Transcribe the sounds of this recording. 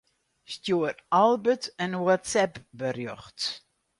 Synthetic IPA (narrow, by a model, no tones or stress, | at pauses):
stjuəɾalˠbətənwɔtsɛpbərjɔxt